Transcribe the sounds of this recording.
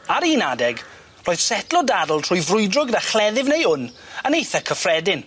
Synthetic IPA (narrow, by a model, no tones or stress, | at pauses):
aɾinadɛɡ | roːjð̥sɛtlɔdadlˠtʰr̥ʊːjvrʊjdrʊɡnaχlɛðɪvnejʊn | ənejθakʰəfrɛdɪn